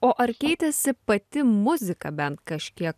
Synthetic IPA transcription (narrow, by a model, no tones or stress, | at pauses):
oːʔɐɾkʲɛɪt̪ʲɛsʲɪpɐt̪ʲɪmʊzʲɪkɐbʲɛnt̪kɐʃʲkʲiɛk